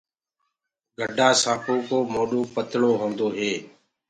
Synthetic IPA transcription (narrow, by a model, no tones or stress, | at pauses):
ɡʱəɖʱaːsaːpʰoːkoːmoːɗoːpət̪ɽoːɦõːnd̪oːɦeː